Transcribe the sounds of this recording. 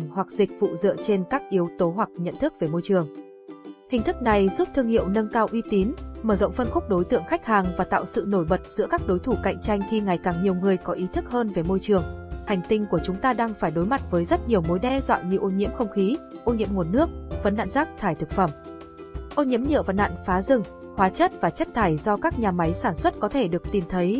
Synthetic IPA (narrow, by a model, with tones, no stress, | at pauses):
nhwa˨˩k̚zï˨˩k̟̚vṵ˧˨zɨ̰˧˨ət͡ɕe˧nkaː˦˥k̚ʔi˨˦əwt̪o˨˦ɦwa˨˩k̚ɲə̰˧˨nt̪ʰɨ˦˥k̚ve˨˩mo˧jt͡ɕɨ˨˩əŋ | h̪ï˨˩ŋ̟t̪ʰɨ˦˥k̚na˨˩jzu˦˥p̚t̪ʰɨ˧əŋhḭ˧˨əwnə˧nkaː˧wʔi˧t̪i˨˦nməː˧˩zə̰˧˨ŋ͡mfə˧nxʊ˦˥k͡p̚ɗo˨˦jt̪ɨ̰˧˨əŋxa˦˥jk̟̚haː˨˩ŋvaː˨˩t̪a̰ː˧˨wsɨ̰˧˨no˧˩jɓə˨˩t̚z̥ɨ̰˧˥əkaː˦˥k̚ɗo˨˦jt̪ʰu˧˩ka̰˧˨jŋ̟t͡ɕa˧jŋ̟xi˧ŋa˨˩jkaː˨˩ŋɲi˨˩əwŋɨ˨˩əjkɔ˨˦ʔi˨˦t̪ʰɨ˦˥k̚həː˧nve˨˩mo˧jt͡ɕɨ˨˩əŋha˨˩jŋ̟t̪ï˧ŋ̟ku˧˩ət͡ɕʊ˨˦ŋ͡mt̪aː˧ɗaː˧ŋfaː˧˩jɗo˨˦jma˨˩t̚vəː˨˦jzə˦˥t̚ɲi˨˩əwmo˨˦jɗɛ˧zwa̰ː˧˨nɲɨ˧wʔo˧ɲḭ˧˥əmxə˧wŋ͡mxi˨˦ʔo˧ɲḭ˧˥əmŋo˨˩t̚nɨ˦˥ək̚və˨˦nːa̰ː˧˨nzaː˦˥k̚t̪ʰaː˧˩jt̪ɨ˨˩k̚fə˧˩m | ʔo˧ɲḭ˧˥əmɲɨ̰˧˨və̰˨˩nːa̰ː˧˨nfaː˨˦zɨ˧˩ŋ | hwaː˨˦t͡ɕə˦˥t̚vaː˨˩t͡ɕə˦˥t̚t̪ʰaː˧˩jzɔ˧kaː˦˥k̚ɲaː˨˩ma˨˦jsaː˧˩nswə˦˥t̚kɔ˨˦t̪ʰe˧˩ɗɨ˨˩ək̚t̪i˨˩mt̪ʰə˨˦j